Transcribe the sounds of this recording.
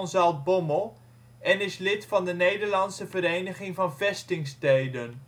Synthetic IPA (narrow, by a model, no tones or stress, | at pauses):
nzɑlˠt̚bɔməlˠ | ɛnɪslɪtfɑndənejdəɹlɑnsəvəɾejnəχɪŋvɑnvɛstɪŋstejdən